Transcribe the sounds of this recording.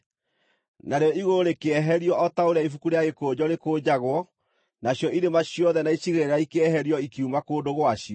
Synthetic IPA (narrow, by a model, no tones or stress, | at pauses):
naɾeɔiɣoɾekeɛɦɛɾiɔʔɔtaoɾeaifukuɾejaɣekoːd͡ʑɔɾekoːd͡ʑaɣwɔ | naɕjɔiɾemaɕijɔðɛnaiɕiɣeɾeɾaikeɛɦɛɾiɔikiumakoːdoɣwaɕiɔ